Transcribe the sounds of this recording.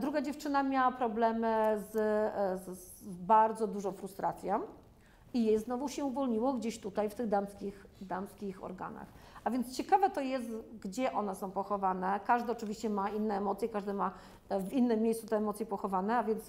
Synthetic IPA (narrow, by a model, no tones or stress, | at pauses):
d̪ɾuɡad͡ʑɛft͡ʂɘnamʲjawapɾɔblɛmɘzzbaɾd̪zɔd̪uʐɔ̃w̃fɾust̪ɾʔat̪sʲjɔ̃ | ijɛjznɔvuɕɛuvɔlɲiwɔɡd͡ʑeɕt̪ut̪ajft̪ɘɣd̪amskʲixd̪amskʲixɔ̰ɾɡa̰na̰x | avʲjɛnt̪st͡ɕɛkavɛt̪ɔjɛst̪ɡd͡ʑɛʔɔnɛsɔ̃w̃pɔxɔvanɛkaʐd̪ɛɔt͡ʂɘvʲiɕt͡ɕɛmainːɛːmɔt̪sʲjɛkaʐd̪ɛma | vinːɘmʲːjejsut̪ɛɛmɔt̪sʲjɛpɔxɔvanɛavʲjɛnt̪s